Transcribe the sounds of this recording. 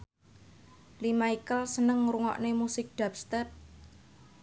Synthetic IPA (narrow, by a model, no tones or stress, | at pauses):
limaikəlsənəŋɾuŋɔ̰ʔnemusɪk̚ɖ̪̥a̤p̚st̪ɛt̪̚